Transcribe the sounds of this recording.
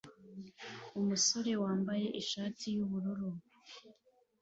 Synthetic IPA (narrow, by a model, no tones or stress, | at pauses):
umuso̞ɾe̞waːmbaje̞ʔiʃaːtʰijuβuɾuɾu